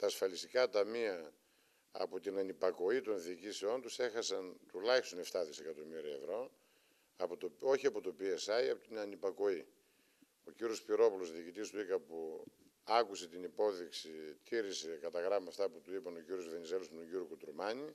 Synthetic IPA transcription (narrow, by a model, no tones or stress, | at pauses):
t̪ɐːsfɐlist̪ikɐt̪ɐmiɐ | ɐ̰pot̪inɐnipɐko̞it̪o̞nðiːcisio̞nt̪use̞xɐsɐnt̪ulɐçist̪o̞neft̪ɐðise̞kɐt̪o̞miɾiɐevɾo̞ | ɐpot̪oo̞çiɐpot̪opiesɐiɐpot̪inɐnipɐko̞i | o̞ciɾio̞spiɾo̞pulo̞zðiːcit̪ist̪uikɐpu | ɐkuse̞t̪inipo̞ðiksit̪iɾise̞kɐt̪ɐɣɾɐmɐft̪ɐput̪uipɐno̞ciɾio̞zvenize̞lust̪uɟiɾjokut̪ɾumɐni